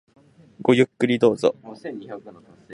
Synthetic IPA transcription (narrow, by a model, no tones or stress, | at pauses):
ɡ̥o̞jɯ̟kːɯ̟ɾʲid̪o̞ːzo̰